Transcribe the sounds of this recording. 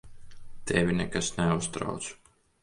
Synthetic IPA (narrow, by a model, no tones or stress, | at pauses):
t̪ɛvʲinʲɛkasnɛust̪ɾa̰wt̪su̥